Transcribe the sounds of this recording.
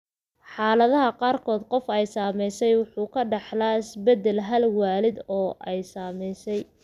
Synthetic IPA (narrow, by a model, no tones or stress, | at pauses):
ħɑːlɐðɐɦɐqɑːrkʰɔːd̪qɔfɛjsaːmɛjsɛjwʊħuːkʰɐɖɑħlaːɪsbɛd̪ɛlɦɐlwɑːlɪd̪ɔːʔɛjsaːmɛjsɛj